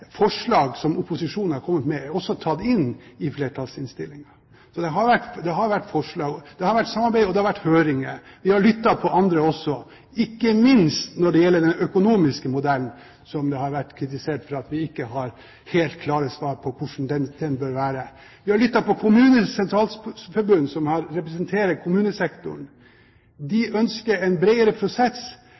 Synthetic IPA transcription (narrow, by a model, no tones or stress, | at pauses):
fɔʂɭɑːɡsɔmʊpʊsɪʂuːnhɑɾkʰɔmːət̪mɛæɾɔsːɔt̪ʰɑt̪ːɪnːɪfleːʈʰɑlsɪnst̪ɪlːɪŋɑ | sɔd̪ɛɦɑɾʋæʈːd̪ɛɦɑɾʋæʈːfɔʂɭɑːɡɔd̪̥ɛhɑɾʋæʈːsɑmːɑɾbæɪɔd̪ɛhɑɾʋæʈːhøːɾɪŋəʋɪhɑɾɭʏt̪ːɑpʰɔʔɑnd̪ɾəɔsːɔ | ɪkːəmɪnst̪nɔɖɛjɛlːəɖɛnœkʊnuːmɪskəmʊd̪ɛln | sɔmd̪ɛhɑɾʋæʈːkʰɾɪt̪ɪseːʈfɾɑɑt̪ʋɪɪkːəhɑɾ | heːlt̪̚kʰlɑːɾəsʋɑːɾpʰɔkʰʊʂɳ̩d̪ɛnd̪̥ɛnbøːɾʋæːɾə | ʋɪhɑɾɭʏt̪ːɑpɔkʰʊmʉːnəsɛnt̪ʰɾɑːlsfɔɾbʉnːsɔmhɑɾːɛpɾɛsənt̪ʰeːɾəkʰʊmʉːnəsɛkt̪ʊ̰ɳ̩ | d̪ɪʔœnskəɾɛnbɾɛɪəɾəpʰɾʊsɛs